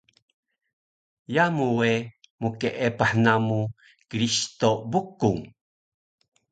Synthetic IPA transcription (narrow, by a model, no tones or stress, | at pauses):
jamuwe | mukeʔepaħnamu | kɾist̪obukuŋ